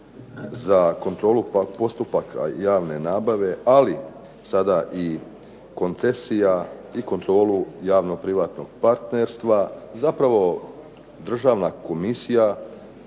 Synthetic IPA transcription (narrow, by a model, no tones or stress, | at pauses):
zako̞nt̪ɾo̞ːluapo̞st̪upakjaːʋne̞naːbaʋe̞ʔali | sad̪aʔi | ko̞nt̪se̞sijaiko̞nt̪ɾo̞ːlujaːʋno̞pɾiʋaːt̪no̞ɡ̚paɾt̪neɾst̪ʋazapɾaʋo̞ | d̪r̩ʒaːʋnako̞misija